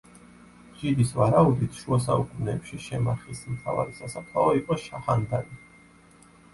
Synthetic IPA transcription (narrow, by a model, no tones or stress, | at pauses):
d͡ʒid̪isvaɾaud̪it̪ʰʃuas̬aukʼunɛːpʃiʃɛmaχismt̪ʰa̰va̰ɾisasat̪ʰaɔiqʼɔʃaχand̪ani